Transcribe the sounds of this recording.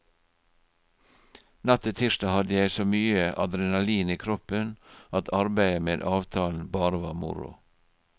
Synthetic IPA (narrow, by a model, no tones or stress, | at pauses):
nɑt̪ʰət̪ʰiːʃtɑːhɑd̪əjæɪsoːmyːəʔɑd̪ɾɛnɑliːniːkʰɾɔpənɑt̪ʰɑɾbæɪəmeːd̪ɑːʋt̪ʰɑːln̩bɑːɾəʋɑːmʊ̰ɾʊ̰